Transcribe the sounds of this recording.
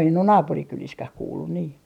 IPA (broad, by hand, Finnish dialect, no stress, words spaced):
en on nɑːpurikyliskæh kuːlːun niː